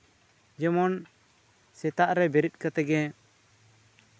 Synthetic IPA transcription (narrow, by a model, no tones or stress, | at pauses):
d͡ʒɛmɔn | sɛt̪aʔɾɛbɛɾit̪̚ˀkat̪ɛɡɛ